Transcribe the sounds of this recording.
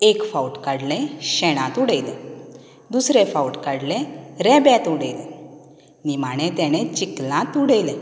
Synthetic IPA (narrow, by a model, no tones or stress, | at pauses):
ekfawʈkaɽlẽɕɛɽ̃ãt̪uɽejle | d̪usɾefauʈkaɽleɾɛbɛ̃t̪uɽejle | nimaɽ̃ẽt̪ɛɽ̃et͡ɕiklãt̪uɽejle